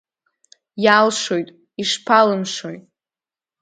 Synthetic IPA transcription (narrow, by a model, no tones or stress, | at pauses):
jalʂojtʼ | iʂpʰalɨmʂojtʼ